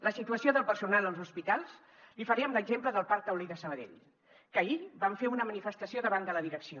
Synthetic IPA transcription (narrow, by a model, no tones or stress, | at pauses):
ləsit̪uəsioðəlˠpəɾsunalˠəlˠzuspit̪alˠz | lifəɾiəmləɡzempləðəlˠpaɾk̚t̪əwliðəsəβəðḛʎ | kəibaɱfeunəmənifəst̪əsioðəβand̪ələðiɾəksio